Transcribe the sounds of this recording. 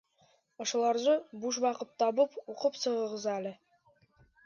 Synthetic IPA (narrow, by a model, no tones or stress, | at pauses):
ɒ̆ʃɤ̆lˠɑɾzɤbuʃbɑqɤt̪t̪ːɒbɤpuqɤpsɤ̆ʁɤ̆ʁɤzælɘ